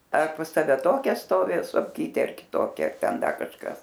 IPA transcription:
ɐr pɐs ˈtɑːʋʲɛ ˈtoːkʲɛ ˈstoːʋʲɪ soːfʲˈkʲiːtʲeː ɐr kʲɪˈtoːkʲɛ ɐr ˈtʲɛn ˈdɐ kɐʃˈkɐs

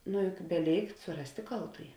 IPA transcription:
nʊ jʊk bʲɛˈlʲeːɪkt sʊˈrɑːsʲtʲeː ˈkɐlˠtuːjɪ

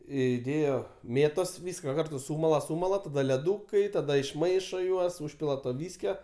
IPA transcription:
iːˈdʲeːjoː ˈmʲeːtoːs ˈʋʲiːskɐ ˈkɐrtʊ ˈsuːmɐlˠɐ ˈsuːmɐlˠɐ tɐˈdɐ lʲɛˈduːkɐɪ tɐˈdɐ ɪʃˈmɐɪʃoː ˈjuɔs ˈuːʃʲpʲɪlˠɐ toː ˈʋʲiːsʲkʲoː

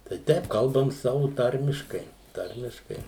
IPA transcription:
tɐɪ ˈtʲɛɪp ˈkɐlˠbɐm ˈsɑːʋʊ ˈtɐrʲmʲɪʃkɐɪ ˈtɐrʲmʲɪʃkɐɪ

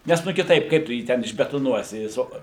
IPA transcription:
ˈnʲɛs ˈnʊ kʲɪˈtɐɪp ˈkɐɪp tʊ ˈjiː tʲɛn ɪʒʲbʲɛtoːˈnuɔsʲɪ ˈjɪs oː

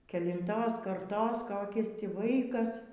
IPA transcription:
kʲɛlʲɪnˈtoːs kɐrˈtoːs ˈkoːkʲɪs ˈtʲiː ˈʋɐɪkɐs

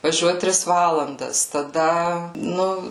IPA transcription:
ʋɐˈʒʲuɔt ˈtʲrʲɪs ˈʋɑːlˠɐndɐs tɐˈdɐ ˈnʊ

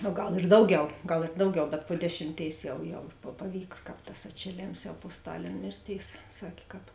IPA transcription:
oː ˈɡɐlˠ ɪr ˈdɐʊˌɡʲɛʊ ˈɡɐlˠ ɪr ˈdɐʊˌɡʲɛʊ bʲɛt poː ˈdʲæːʃʲɪmʲˌtʲeːɪs ˈjɛʊ ˈjɛʊ pɐ pɐˈʋʲiːk ˈkɑːp tɐs ɐtʲʃʲeːˈlʲeːms jɛʊ poː ˈstɑːlʲeːn ˈmʲeːrʲˌtʲeːɪs ˈsɑːkʲeː kɑːp

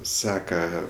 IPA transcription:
ˈsɑːkɐ

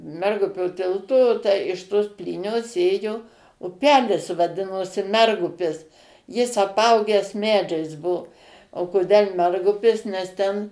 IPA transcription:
ˈmʲɛrɡʊpʲoː ˈtʲɪlˠtoː tʲæː ɪʃ ˈtoːs ˈpʲlʲiːnʲoːs ˈeːjoː ʊˈpʲæːlʲɪs ʋɐˈdʲɪnoːsʲɪ ˈmʲɛrɡʊpʲɪs ˈjɪs ɐˈpɐʊɡʲɛs ˈmʲæːd͡ʒʲɛɪs ˈbuɔ oː koːˈdʲɛlˠ ˈmʲɛrɡʊpʲɪs nʲɛs ˈtʲɛn

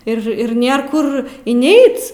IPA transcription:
ɪr ˈɪr ˈnʲeːr ˈkʊr ɪnʲˈɛɪt͡s

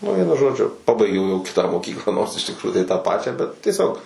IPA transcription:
nʊ ˈʋʲiɛnʊ ˈʒoːd͡ʒʲʊ ˈpɑːbɐɪɡʲɛʊ jɛʊ ˈkʲɪtɑː moːˈkʲiːklˠɑː noːrs ɪʃ tʲɪkˈruːjuː tɐɪ tɑː ˈpɑːt͡ʃʲæː bʲɛt tʲiɛˈsʲoːk

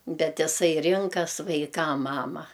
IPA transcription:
ˈbʲɛt ɪˈsɐɪ ˈrʲɪŋkɐs ʋɐɪˈkɐm ˈmɑːmɐ

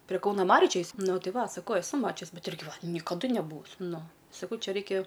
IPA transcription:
pʲrʲiɛ ˈkɐʊnɐ ˈmɑːrʲʊ ˈt͡ʃʲɛ ˈjɪs ˈnʊ ˈtʲɪ ˈʋɐ sɐˈkɐʊ ɛˈsʊ ˈmɑːt͡ʃʲʊs ˈbʲɛt ˈɪrʲɡʲɪ nʲɪkɐˈdʊ nʲɛˈbuːʋʊsʲ ˈnʊ sɐˈkɐʊ ˈt͡ʃʲɛ ˈrɐɪkʲɛ

